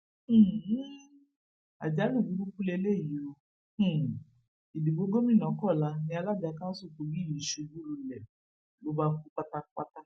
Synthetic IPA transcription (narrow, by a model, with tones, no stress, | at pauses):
a̰˨d͡ʒa˨˦lu˦˨bu˨˦ɾu˦ku˦le˧le˦˨ji˨õ˧˦˨ | i˨di˨ɡ͡bo˨˧˦ɡo˦mĩ˦˨nã˨˦kɔ˦˨la˧nĩ˧˦a˧la˦˨da˨˧kã˦su˦˨ko˨˧ɡi˦˨i˨ʃe˧˨d͡ʒu˦ɾu˧˨lɛ˨ | lo˨˦ba˧fu˦k͡pa˦ta˦k͡pa˦ta˦